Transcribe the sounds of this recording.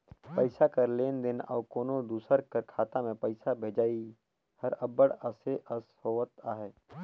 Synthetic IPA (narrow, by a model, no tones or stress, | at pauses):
pəɪsakɐɾleːnd̪ɪnɔ̰ːkoːnod̪uːsəɾkəɾkʰaːt̪amẽpəɪsabʱeːd͡ʒaːi | hɐɾɐbəɽəseʔəshoːʋət̪aːɦeː